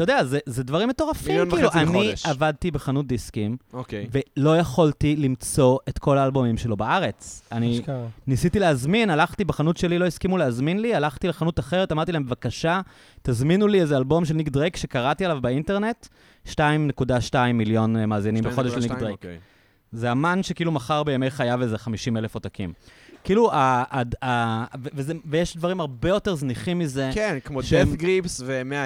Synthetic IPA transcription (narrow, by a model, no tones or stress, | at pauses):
t̪ajd̪eazezedvaʁimeto̞ʁafikːluʔaniavad̚t̪ibe̞χanut̚d̪iskimokve̞lo̞jaχoltilimt͡so̞e̞tko̞laːlbo̞mimʃe̞lo̞baaʁe̞t͡saninisitileazminalaχtibeχanutʃe̞lilo̞iskimuleazminlialaχt̪ileχanutaχe̞ʁet̪amaʁt̪ilaebvakaʃa | tazminuliezealbo̞mʃ̬elnikdʁekʃe̞kaʁatialavbainte̞ʁne̞t | ʃtaimnekudaʃtaimːiljo̞nmaːzinimbeo̞d̪eʃelikdʁejk | zeamanʃekiiːlumaχaʁbejamejχajavezeχamiʃimelefotakḭmkiiːluaadavevezevejeʃdvaʁimhaʁbejo̞te̞ʁzniχimːize̞kenkmoʃdefɡʁipsvemea